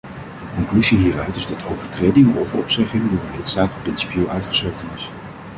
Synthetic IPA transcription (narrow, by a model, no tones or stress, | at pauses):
dəkɔŋklyziɦiːrœɥtɪzdɑtʰowvəɹtrejdɪŋɔɹɔ̰vəɔ̰psɛχɪŋdʊːdəlɪtstaːtprɪnsi̥pjelˠʔœɥtχəsɛk̚tənɪs